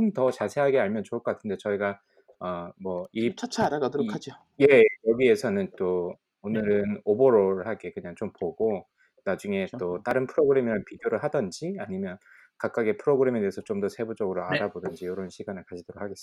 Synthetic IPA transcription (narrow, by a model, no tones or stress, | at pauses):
omtʌt͡ɕasʰe̞ɦaɡeaɭmjʌnt͡ɕoɭk͈ʰʌk͈atʰɯnde̞t͡ɕʌiɡa | ʌmwʌit͡ɕʰt͡ɕʰaɾaɡatoɾokʰad͡ʑo | je̞jʌɡie̞sʰʌnɯnt͈o | onɯɾɯnoboɾoɾɯɭhaɡe̞kɯɲaŋt͡ɕompoɡo | nad͡ʑuŋe̞t͈ot͈aɾɯnpʰɯɾoɡɯɾe̞miɾanpideoɾɯɭhadʌnd͡ʑiaɲimjʌn | kak͈̚aɡepʰɯɾoɡɯɾe̞me̞te̞esʰʌt͡ɕomdʌsʰebud͡ʑʌɡɯɾoaɾabodʌnd͡ʑijoɾʌnɕʰiɡanɯɭkad͡ʑʰid̥oɾok̚haɡe̞s͈